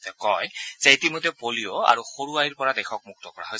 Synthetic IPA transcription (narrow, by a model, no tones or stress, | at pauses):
kɔjz̥eetimojtɛpoliɔa̰ɹuxoɹuaɹiɹpɔɹadɛxʰɔk̚muk̚tɔkɔɹa̰ɦoj